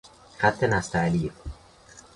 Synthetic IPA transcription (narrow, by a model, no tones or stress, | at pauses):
xæt̪ʰːenæst̪ʰælie